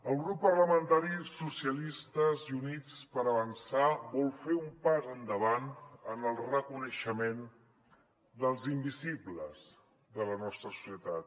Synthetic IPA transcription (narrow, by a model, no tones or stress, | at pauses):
əlˠɣɾupːərləmənt̪aɾisusiəlist̪əziunit͡spəɾəβənsaβɔlˠfeumpazənd̪əβanənəlˠrəkunəʃəmen | d̪əlˠzimbizibləz | d̪ələnɔst̪ɾəsu̥siət̪at̪̚